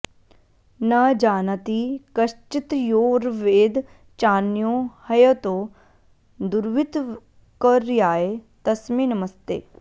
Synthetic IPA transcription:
naːd͡ʒaːnɐt̪ikɐʃt͡ʃit̪joːɾʋeːd̪ | t͡ʃaːnjõːhɐjot̪oː | d̪uɾʋit̪ | kəɾjaːet̪ɐsmiːnɐmɐst̪ḛː

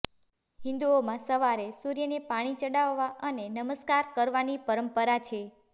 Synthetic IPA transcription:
hĩnd̪uomãsəʋaɾesuɾjənepaɽ̃it͡ʃəɽaʋːaənenəməskaɾkəɾʋanipəɾəmpəɾat͡ʃʰe

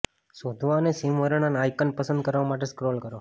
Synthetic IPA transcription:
sod̪ʱʋanesimʋəɾəɳanajkənpəsənd̪̚kəɾʋamaʈ̬eskɾoːlkəɾo

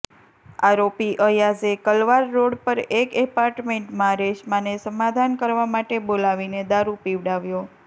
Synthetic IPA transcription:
aɾopiʔəjad͡ʒekəlʋaɾːoɽpəɾekepaɾʈmeɳʈmãɾeʃmãnesəmad̪ʱankəɾʋamaʈebolaʋined̪aɾupiʋɽaʋjo

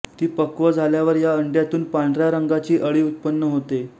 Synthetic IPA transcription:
t̪iːpəkʋəd͡zʱaljaʋəɾjaəɳɖjat̪uːnpaɳɖɾjaɾəŋɡat͡ɕiːʔəɭiːut̪̚pənːəɦot̪e

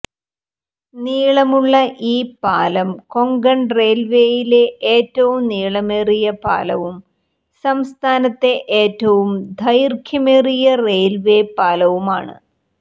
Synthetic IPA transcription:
niːɭɐmuɭːɐʔiːpaːlɐmko̞ŋɡɐɳre̞ːlʋe̞ːjile̞eːtːɐʋumniːɭɐmerijɐpa̰ːlɐʋum | sɐmst̪ʰaːnɐt̪ːe̞ʔeːtːɐʋumd̪ʱɐjrkʰjɐmerijɐreːlʋe̞ːpaːlɐʋuma̰ːɳɨ̰

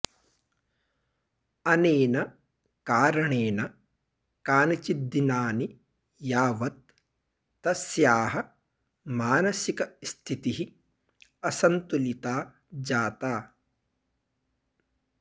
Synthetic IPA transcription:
ɐneːnɐ | kaːɾɐɳeːnɐ | kaːnɐt͡ʃid̪ːinaːni | jaːʋɐt̪̚ː | ɐsjaːɦɐ | maːnɐsikɐst̪ʰit̪iɦi | ɐsɐnt̪ulit̪aː | d͡ʒaːt̪aː

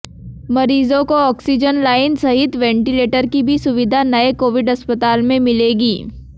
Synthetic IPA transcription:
mɐɾiːzõkoɔːksid͡ʒənlaːɪnsɐɦɪt̪ʋɛ̃ːɳʈileːʈəɾkibʱisʊʋɪd̪ʱanɐekoːʋɪɖɐspət̪aːlmẽmɪleːɡiː

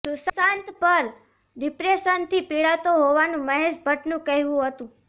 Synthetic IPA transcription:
sʊssãnt̪pəɾ | ɖɪpɾeʃənt̪ʰipiɭat̪oɦoʋanũməɦeʃbʱəʈnũkəɦʋũɦət̪ũ

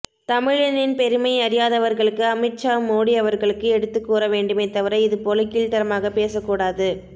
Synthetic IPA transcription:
t̪ɐmɪɻɐnɪnpɛɾɯmɐɪɐɾɪjaːðɐʋɐɾɣɐɭɯkːɯɐmɐɪt͡ʃːaːmoːɽiɐʋɐɾɣɐɭɯkːɯɛɽɯt̪ːɯkːuːɾɐʋeːɳɖɯmɐɪt̪ːɐʋɐɾɐɪɪðɯpoːlɐkɪɭʈɐɾɐmaːɣɐpeːsɐkːuːɽaːðɯ

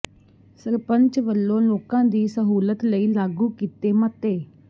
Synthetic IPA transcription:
səɾpəɲt͡ʃʋəlːõːloːkãːd̪iːsəɦuːlət̪ləiːlaːɡuːkiːt̪eːmət̪eː

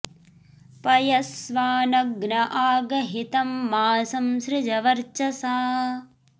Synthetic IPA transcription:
pɐjɐsʋaːnɐɡnɐʔaːɡɐɦit̪ɐmːaːsɐmsɾɪd͡ʒɐʋɐɾt͡ʃɐsaː

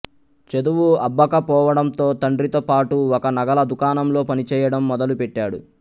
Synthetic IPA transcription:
t͡ʃed̪uʋuɐbːɐkɐpɔːʋɐɽɐnt̪o̞ːt̪ɐɳɖɾit̪oːpaːʈuɔkɐnɐɡɐlɐd̪ukaːnɐmlo̞ːpɐnit͡ʃɛːjɐɽɐmːɔd̪ɐlupɛʈːaːɽṵ

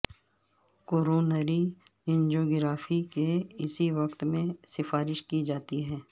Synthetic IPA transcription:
koːɾoːnəɾi | ɪ̃nd͡ʒoːɡɾaːfikeɪsiʋɐkt̪mẽsɪfaːɾɪʃkid͡ʒaːt̪iɦɛː

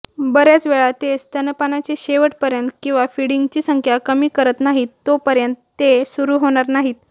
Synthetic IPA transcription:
bəɾjat͡sʋeɭat̪est̪ənəpanat͡ɕeɕeʋəʈpəɾjənt̪kĩw̃ʋafiɽiŋɡt͡ɕiːsəŋkʰjakəmiːkəɾət̪naɦiːt̪ːopəɾjənt̪ːesuɾuːɦoɽ̃aɾnaɦiːt̪̚

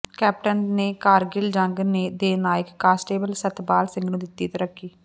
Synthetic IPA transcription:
kɛːp̚ʈənneːkaːɾɡɪld͡ʒə̃ŋɡneːd̪eːnaːɪkːaːsʈeːbəlsət̪baːlsɪ̃ŋɡnũːd̪ɪt̪ːiːt̪əɾəkʰːiː

